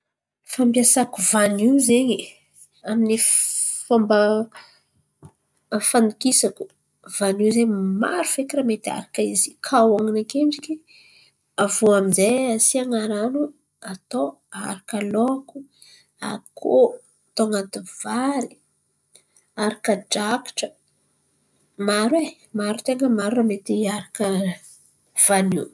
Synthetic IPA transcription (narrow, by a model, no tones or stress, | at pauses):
fampjasakuvaniwzeɲi | aminifambə | fand̪ukisaku̥ | v̥anizema̰ɾufekramet̪ia̰ɾakaizikʰawaŋinakeɳɖ͡ʐiki | avuaminzeasiaŋaɾanu | at̪o | a̰ɾakaloaku | a̰kʰo | t̪oŋat̪uv̥aɾi | aɾakəɖ͡ʐaki̥ʈ͡ʂə | maɾwe | maɾut̪eŋɡəmaɾuramet̪iaɾakə | v̥ani